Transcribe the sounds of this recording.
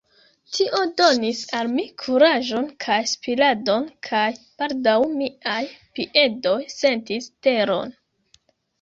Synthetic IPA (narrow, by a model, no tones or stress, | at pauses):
tʰiʔo̞do̞nisalmikʰuɾaʒo̞nkʰajspilado̞nkʰajpaldawmiajpiʔe̞do̞jse̞ntiste̞ɾo̞̰n